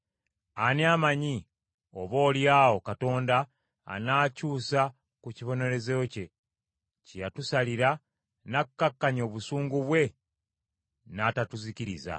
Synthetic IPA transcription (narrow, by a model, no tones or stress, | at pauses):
aniamaɲi | o̞βo̞ːljaːo̞kato̞ːnda̰ː | naːcuːsa | kuciβo̞ne̞ɾe̞zeoce̞ | cijatusaliɾa | nakːakːaɲo̞ːβusuːŋɡuβwe̞ | naːtatuziciɾiza̰